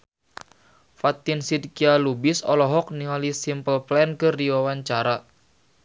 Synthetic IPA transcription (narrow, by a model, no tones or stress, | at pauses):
fat̪insid̚kialubɪsɔlɔɦɔk̚niŋalisimpəlplɛnkɨrdiwawaɲt͡ʃaɾa